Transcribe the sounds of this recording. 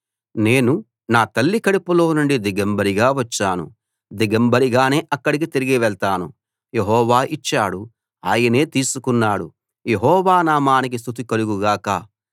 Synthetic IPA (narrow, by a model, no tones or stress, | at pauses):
ne̞ːnu | naːt̪ɐlːikɐɽipulo̞ːnuɳɖid̪iɡɐmbɐɾiɡaːʋɐt͡ʃːaːnṵ | d̪iɡɐmbɐɾiɡaːne̞ːʔɐkːɐɽik̬it̪iɾiɡiʋɛɭt̪aːnṵ | je̞ɦɔːʋaːʔit͡ʃːaːɽu | aːjɐne̞ːt̪iːsukunːaːɽu | jeɦɔːʋaːnaːmaːnik̬is̬t̪ʰut̪̬ikɐluɡuɡaːka̰